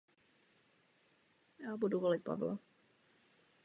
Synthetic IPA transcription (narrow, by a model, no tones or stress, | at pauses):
jaːbuduvolɪt̪̚pa̰vla̰